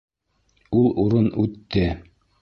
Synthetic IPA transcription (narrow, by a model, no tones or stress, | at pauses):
ulˠuɾɤnʉt̪ːɘ